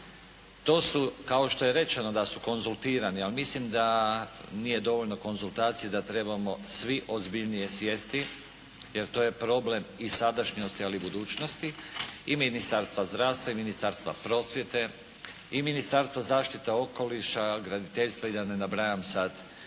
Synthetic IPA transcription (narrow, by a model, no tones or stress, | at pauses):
t̪o̞ːsukao̞ʃt̪o̞je̞ɾe̞t͡ʃe̞no̞d̪asuko̞nzulˠt̪iːɾanialmislimd̪a | nije̞d̪o̞ʋo̞ʎno̞ko̞nzult̪aːt̪sijed̪at̪ɾe̞bamo̞sʋiʔo̞zbiʎnije̞sje̞st̪i | je̞ɾt̪o̞ːje̞pɾo̞ble̞misad̪aʃɲost̪ialibud̪uːt͡ʃno̞st̪iiminist̪aɾst̪ʋazd̪ɾaːst̪ʋaiminist̪aɾst̪ʋa̰pɾo̞sʋje̞t̪e̞ | iminist̪aɾst̪ʋazaːʃt̪it̪eo̞ko̞liʃaɡɾad̪it̪eʎst̪ʋaid̪anenabɾajamsad̪